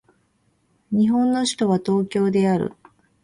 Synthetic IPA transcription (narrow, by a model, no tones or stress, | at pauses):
ɲ̟iɦõ̞nːo̞ɕi̥t̪o̞βat̪o̞ːkʲo̞ːd̪e̞aɾɯ̟̰